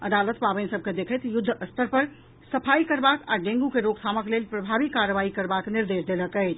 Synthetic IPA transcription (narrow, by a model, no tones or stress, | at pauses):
əd̪alət̪pabənsəb̚ked̪ekʰəjt̪jʊd̪ʱːəʔəst̪əɾpəɾ | səpʰajkəɾbakaɖẽŋɡukeɾoɡ̚t̪ʰaməklelpɾəbʱabikaɾəbaikəɾbakniɾd̪esd̪eləkət͡ʃʰ